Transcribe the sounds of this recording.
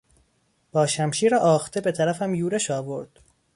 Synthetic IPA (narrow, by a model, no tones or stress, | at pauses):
b̥ɒːʃæmʃiːɾɒʔɒːxt̪ʰebe̞t̪ʰæɾæfæmjuːɾeʃɒːbo̞ɾd̪̥